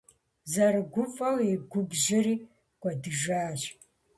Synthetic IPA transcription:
zɐrɡʷʊfʼɐweɡʷʊbʒɪriː | kʷʼɐdɨʒaːʒ

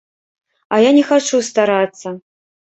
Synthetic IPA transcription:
ajanʲɛxat͡ʂust̪aɾat̪sːɐ

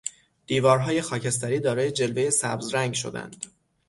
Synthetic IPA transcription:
d̪̥iːvɒːɾɦɒːje̞xɒːcʰest̪æɾiːd̪ɒːɾɒːje̞d͡ʒe̞lveje̞sæbzɾæŋɡʃo̞̰d̪æ̰nd̪̥

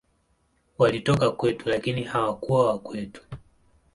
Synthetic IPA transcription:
walitɔkakwɛtulakinihawakuwawakwɛtu̥

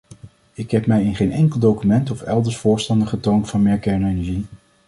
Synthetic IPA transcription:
ɪkɦɛpmɛjɪnχejnɛŋkəlˠdowkymɛntɔfɛlˠdəɹsfʊːɹstɑndəχətowntfɑnmɪːɹkɛɹnoenɛɹʒi

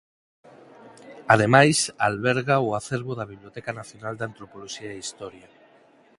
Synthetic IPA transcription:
að̞emajsalβeɾɣauaθeɾβoðaβiβljot̪ɛkanaθjonald̪ant̪ɾopoloʃiaeist̪ɔɾja

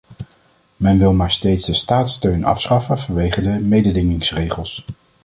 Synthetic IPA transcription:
mɛnʋɪlˠmaːɹstejtzdəstaːtstøɥnɑ̰fsχɑfənvɑnʋejχədəmejdədɪŋɪŋsrejχəlˠs

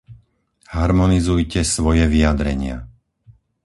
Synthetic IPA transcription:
haɾmɔnizujcɛsʋɔjɛʋiad̪ɾɛ̰ɲɪa̰

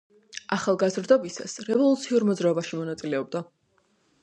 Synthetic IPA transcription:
aχalˠɡazɾd̪ɔbisa̰sɾɛvɔlˠut̪sʰiuɾmɔd̪zɾaɔbaʃimɔnat̪sʼilɛɔb̚d̪a

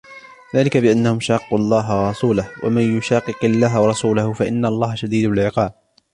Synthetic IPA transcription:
ðaːlɪkabɪʔanːahʊmʃɑːqːuɑlˤːɑːɦawɑɾˤɑsuːlahwa̰manjʊʃɑːqɨqɑlːaːɦawɑɾˤɑsuːlahʊfaʔɪ̰nːaɑlˤːɑːhaʃad̪iːd̪lɪlʕɪqɑːb̚

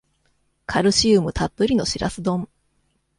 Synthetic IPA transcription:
kʰaɾɯ̟ɕɯːmɯ̟t̪at̪ːoɾʲino̞ɕiɾa̰sɨd̪õ̞ɴ

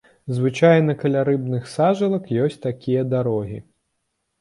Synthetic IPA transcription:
zvɨt͡ʂajnɐkɐlʲaɾɨbnɨxsaʐɨlˠɐkjɔsʲt͡sʲt̪akʲijɐd̪aɾɔɣʲḭ

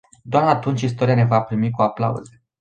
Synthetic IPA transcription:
d̪oaɾat̪unt͡ʃʲist̪o̞ɾijane̞vapɾimikuapla̰ṵze

